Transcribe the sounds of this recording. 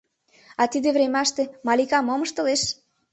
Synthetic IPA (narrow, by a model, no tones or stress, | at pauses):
ɑt̪id̪eβvɾemɑʃt̪emɑlikɑmoməʃt̪ə̆leʃ